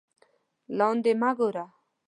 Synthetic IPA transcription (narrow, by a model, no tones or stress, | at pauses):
land̪emaɡoɾa